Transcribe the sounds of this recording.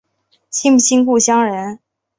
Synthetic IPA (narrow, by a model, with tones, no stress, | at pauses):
ɕʰi˥ŋ˨˩ɕi˥ŋku˥˩ɕjɑ˥ŋɻə˧˥n